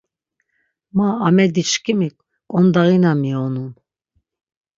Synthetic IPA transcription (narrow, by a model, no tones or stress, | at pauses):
maːmɛd̪it͡ʃkʼimikʼ | kʼɔnd̪aɣinamiɔnum